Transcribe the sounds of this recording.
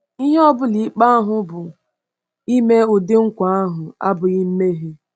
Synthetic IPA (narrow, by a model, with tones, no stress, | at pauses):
i˦ɦe˦ɔ˦bʊ˦li˨˦k͡pa˦a˦ɦʊ˦bʊ˨ | i˦me˦ʊ˨dɪ˦ŋ̩˦kʷa˨a˦ɦʊ˨a̰˦bʊ˨ɣɪ˦m̩˦me˦ɦi˦